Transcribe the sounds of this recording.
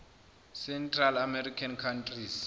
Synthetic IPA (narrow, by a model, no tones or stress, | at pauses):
sɛntʼralamɛrikʰankʰantʰʼris